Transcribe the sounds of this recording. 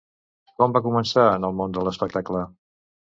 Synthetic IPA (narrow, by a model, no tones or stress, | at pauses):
kɔmbakumənsaənəlˠmond̪ələspək̚t̪aklə